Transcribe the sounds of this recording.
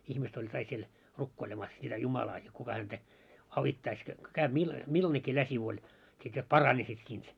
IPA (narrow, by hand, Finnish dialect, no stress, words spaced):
ihmist olʲ kɑik siel rukːoilemɑs sitæ jumɑlɑː jot kukɑ hæntæ ɑʋitːɑis jot ko kæyb̥ milːɑ milːɑnekːiː læsiʋ olʲ sit jot pɑrɑnisːit siːnt